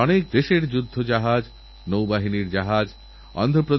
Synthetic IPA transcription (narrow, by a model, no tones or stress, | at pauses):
ɔnek̚d̪eʃeɾd͡ʑud̪ʱːod͡ʑaɦad͡ʑ | nowbaɦiniɾd͡ʑaɦad͡ʑ | ɔ̰nd̪ʱopɾod̪